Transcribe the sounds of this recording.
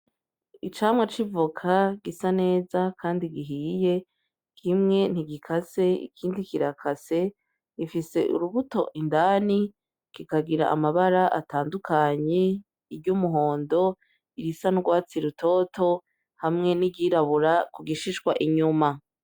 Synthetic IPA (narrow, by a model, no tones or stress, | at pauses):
it͡ʃaːmwet͡ʃivukʰaɡisane̞ːzakʰaːndiɡiɦije̞ | kʰimŋe̞n̥iɡikʰase̞ḭkʰiːndikiɾakʰase̞ | ɡifise̞ʔṵɾuβuto̞̰ʔindaːni | kikaɡiɾa̰ʔa̰maβaɾaʔa̰taːndukʰaɲe̞ | iɾɟumuɦo̞ːndo̞ | iɾisanuɡwaːt͡siɾutʰo̞ːto̞ | hamŋe̞niɟiɾaβuɾakuɡiʃiʃɡwaʔiɲuma